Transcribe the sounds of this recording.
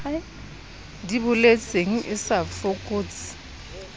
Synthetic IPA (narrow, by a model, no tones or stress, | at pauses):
dibʊlet͡sʼeŋ̩ʔɪsafokʼoːt͡sɪ̥